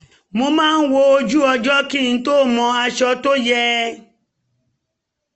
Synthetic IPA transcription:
mo˧mãː˦˧n̩˦wo˧˦o˧d͡ʒu˦ɔ˧d͡ʒɔ˦ki˦˨ñ̩˨˦to˦˨mɔ̃˧˦a˧ʃɔ˧to˦jɛ˧˦

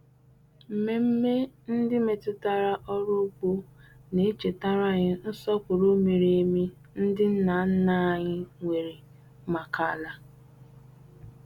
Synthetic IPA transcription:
m̩˨me˦m̩˦me˦n̩˦dɪ˦me˨tʊ˦ta˦ɾa˦ʔɔ˦ɾʊ˦k͡po˦ne˨˦t͡ʃe˨ta˦ɾa˦˨ɲɪ˦n̩˦sɔ˦kʷʊ˨ɾo˦me˨ɾe˦mi˦ | n̩˦dɪ˦n̩˦na˨˦n̩˦na˦˨ɲɪ˦ŋʷe˨ɾi˨ | ma˨ka˦˨la˦

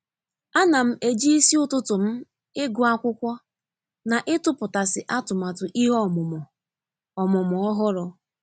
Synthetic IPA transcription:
a˦na˨m̩˦e˨d͡ʒi˦i˦si˦ʊ˦tʊ˦tʊ˨m̩˦ | ɪ˦ɡʊ˨a˦kʷʊ˦kʷɔ˦ | na˨ʔɪ˦tʊ˦pʊ˨ta˨sɪ˨ʔa˦tʊ˨ma˨tʊ˨ʔi˦ɦɔ˦m˨m˨ | ɔ˨mʊ˨mʊ˨ɔ˦ɦɔ˦ɾɔ˨

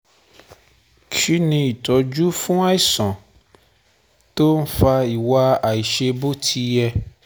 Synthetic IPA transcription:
ki˦nĩ˧i˨tɔ˨˦d͡ʒu˦fũ˦a˦i˦˨sɔ̃˨ | to˦n̩˦fa˧i˨wa˧a˨i˨ʃe˧bo˦tʰi˧jɛ˧

